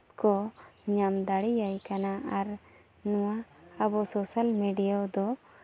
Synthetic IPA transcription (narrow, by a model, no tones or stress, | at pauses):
kɔɲamd̪aɽijajkanaʔaɾ | nuwaːbɔsɔsalmeɖijad̪ɔ